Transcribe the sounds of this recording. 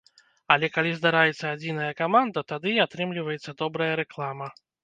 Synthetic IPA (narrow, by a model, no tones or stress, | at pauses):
alʲɛkalʲizd̪aɾajɛt̪sːɐad͡zʲinɐjɐkamand̪ɐt̪ad̪ɨat̪ɾɨmlʲivɐjɛt̪sːɐd̪ɔbɾɐjɐɾɛklˠamɐ